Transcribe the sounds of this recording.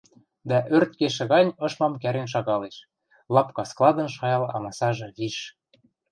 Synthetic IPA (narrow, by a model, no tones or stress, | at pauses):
d̪æʔørt̪̚keʃ̬ĕɣɑnʲɤ̆ʃmɑmkæɾenʃ̬ɑɣɑleʃ | lɑpkɑsklˠɑd̪ɤ̆nʃɑjɑlɑ̰mɑsɑʒɤ̆ɣiʃ